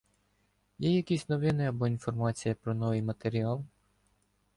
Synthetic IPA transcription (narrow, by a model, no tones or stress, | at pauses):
jɛjɐkʲisʲnɔʋɪnɪɐbɔinfɔrmɑt͡sʲijɐpɾɔnɔʋɪjmɐt̪eɾʲiɑlˠ